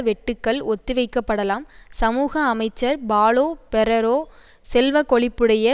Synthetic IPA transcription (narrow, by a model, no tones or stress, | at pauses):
ʋɛʈːɯkːɐɭɔt̪ːɯʋɐɪkːɐpːɐɽɐlaːmsɐmuːɣɐːmɐɪt͡ʃːɐɾbaːɭoːpɛɾɐɾoː | sɛlʋɐkɔɭɪpːɯɽɐjɐ